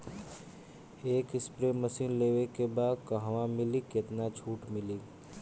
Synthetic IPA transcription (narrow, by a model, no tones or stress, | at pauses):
eːkɪspɾeməsinlewekebad̪kəɦʋãmiliket̪nat͡ʃʰuːʈmili